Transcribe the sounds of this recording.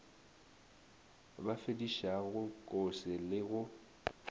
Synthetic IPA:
bafediʃaɣʊkʼʊsɪlɪɣʊ

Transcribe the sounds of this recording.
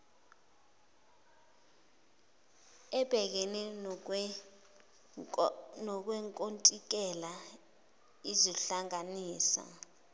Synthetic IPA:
ɛb̥ʱɛk̬ɛnɛ | nɔk̬wɛŋkʼontʼik̬ɛla | iziɬaŋaniːsa̰

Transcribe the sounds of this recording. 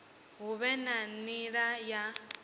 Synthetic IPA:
ɦuβɛnaniɺaja

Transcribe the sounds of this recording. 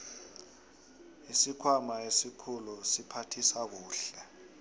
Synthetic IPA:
isikʰwamaesikʰulɔsipʰatʰisak̬uːɬɛ

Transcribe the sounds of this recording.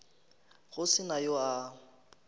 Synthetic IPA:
ɣʊsɪnajoa

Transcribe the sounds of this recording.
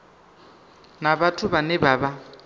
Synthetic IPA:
nabatʰʊβanɛbaːba

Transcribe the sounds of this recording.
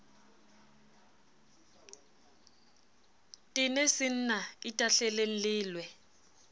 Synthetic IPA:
tʼɪnɛsɪn̩naitʼaɬɛleŋ̩lɪːlwɛ

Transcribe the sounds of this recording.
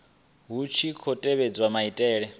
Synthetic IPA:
ɦut͡ʃʰikʰɔtʼɛβed͡zwamaitʼɛːɺɛ

